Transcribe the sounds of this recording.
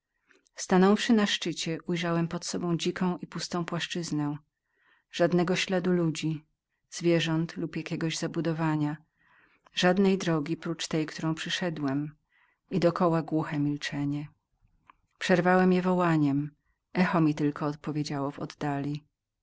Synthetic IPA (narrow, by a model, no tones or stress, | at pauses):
fst̪anɔ̃w̃fʂɘnaʂt͡ʂɘt͡ɕɛʔujʐawɛmpɔt̪sɔbɔ̃w̃d͡ʑikʰɔ̃w̃ʔipust̪ɔ̃w̃pwaʂt͡ʂɘznɛ | ʐ̥ad̪nɛɡɔɕlad̪ulud͡ʑi | z̥vʲjɛʐɔnt̪lupjakʲɛɡɔʑzabud̪ɔvaɲa | ʐad̪nɛjd̪ɾɔɡʲipɾut͡ʂt̪ɛjkt̪uɾɔ̃w̃pʂɘʂɛd̪wɛm | id̪ɔkɔwaɡwuxɛmʲilt͡ʂɛɲɛ | pʂɛɾvawɛmjɛvɔwaɲɛm | ɛxɔmʲit̪ɘlkɔːt̪̚pɔvʲjed͡ʑawɔvɔ̰d̪ːalʲi